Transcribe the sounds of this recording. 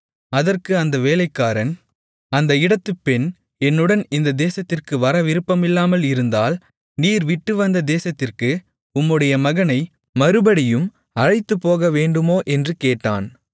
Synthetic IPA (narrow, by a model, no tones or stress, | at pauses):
ɐðɐrkɯɐnd̪ɐʋeːlɐɪkːaːɾɐn | ɐnd̪ɐɪɽɐt̪ːɯpːɛn | ɛnːɯɽɐnɪnd̪ɐd̪eːsɐt̪ːɪrkɯʋɐɾɐʋɪɾɯpːɐmɪlːaːmɐlɪɾɯnd̪aːl | niːɾʋɪʈːɯʋɐnd̪ɐd̪eːsɐt̪ːɪrkɯ | ʊmːɯɽɐjɐmɐɣɐnɐɪ | mɐɾɯbɐɽɪjɯm | ɐɻɐɪt̪ːɯpːoːɣɐʋeːɳɖɯmoːʔɛndrɯkeːʈːa̰ːn